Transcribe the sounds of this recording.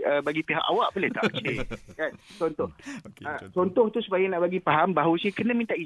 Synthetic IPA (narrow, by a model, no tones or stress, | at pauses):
əbaɡipeɦa̰kawaʔboleht̪a̰ʔt͡ʃekant͡ʃɔnt̪ʊhət͡ʃɔnt̪ʊht̪usu̥pajanaʔbaɡipaɦambaɦusikənə̃mint̪aʔi